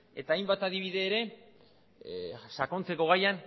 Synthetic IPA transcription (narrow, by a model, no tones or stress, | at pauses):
e̞̰t̪aːjmbat̪aðiβ̞iðe̞ːɾe̞ | sako̞nt͡se̞ko̞ɣ̞ajan